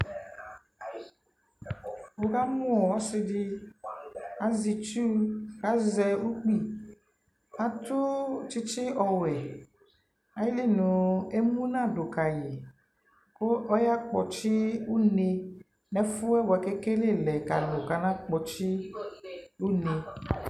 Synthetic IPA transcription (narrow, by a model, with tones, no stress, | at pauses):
wo˨ka˦mũ˦ɔ˨wɔ˦sɪ˦ɖi˦ | a˨zi˨t͡ʃu˦ka˦zɛ˨wu˦k͡pi˦ | a˨t̪u˦t͡ʃi˦t͡ʃi˦ʔɔ˨wɛ˨ | a˨ji˦li˦nũ˨e˦mũ˦nã˦˨ɖo˨ka˨je˨ | ko˦ʔɔ˦ja˦k͡pɔ̰˨t͡ʃi˦wu˦ne˨ | nɛ̃˦fu˦ɛ˦wo˨a˨ke˦ke˦le˦˨lɛ˨ka̰˨lo˨ka˨nã˦k͡pɔ˨t͡ʃi˦ | wu˦ne˨